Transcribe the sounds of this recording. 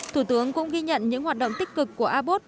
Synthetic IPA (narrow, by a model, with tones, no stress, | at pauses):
t̪ʰu˧˩t̪ɨ˨˦əŋkʊ̰˧˥ŋ͡mɣi˧ɲə̰˧˨nɲɨ̰˧˥ŋhwaː˨˩t̚ɗə̰˧˨wŋ͡mt̪i˦˥k̟̚kɨ˨˩kːu˧˩əʔaː˧ɓo˦˥t̚